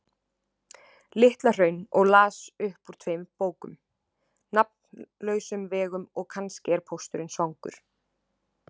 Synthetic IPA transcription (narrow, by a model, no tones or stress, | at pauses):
lɪht̪lar̥œɥnɔɣlaːsʏhpuɾ̥t̪ʰveːjmpoːwkʏ̰m | nap̚nlœːɥsʏmvɛːɣʏmɔɣkʰanscɛɾpʰowst̪ʏɾɪnsvawŋkʏ̰ɾ̥